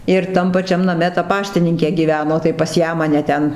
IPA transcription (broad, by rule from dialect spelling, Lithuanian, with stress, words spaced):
ɪr ˈtɐm pɐˈt͡ʃʲɛm nɐˈmʲɛ tɐ ˈpɑːʃʲtʲɪnʲɪŋʲkʲeː ˈɡʲiːʋʲɛnoː tɐɪ pɐs ˈjæː mɐˈnʲɛ ˈtʲɛn